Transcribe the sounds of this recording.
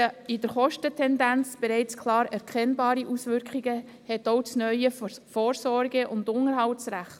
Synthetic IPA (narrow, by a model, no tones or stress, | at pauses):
ɪdəɾχɔʃtətʰɛndænt͡sb̥eɾɛɪt͡skʰlɑːɾɛɾkχɛnbɑːɾiʔusʋʏɾkχiɡə | hɛtoʊt͡snœʏəfoːɾsɔɾɡəʔʊndʊŋəɾɦɑʊsɾæχt